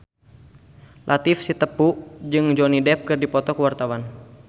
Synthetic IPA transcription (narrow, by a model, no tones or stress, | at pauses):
lʔat̪ifsit̪əpud͡ʒɨŋd͡ʒɔnidɛp̚kɨrdipɔt̪ɔkəwart̪awan